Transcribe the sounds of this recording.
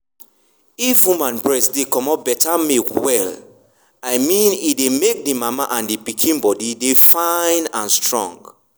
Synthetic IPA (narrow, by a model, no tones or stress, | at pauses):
ifwũmãnbɹɛsdekɔmɔp̚bɛtamekwɛl | aɪmĩnidemek̚dimamaʔãndipikʰĩnbɔdidefãɪ̃nãnstɹɔ̰̃ŋɡ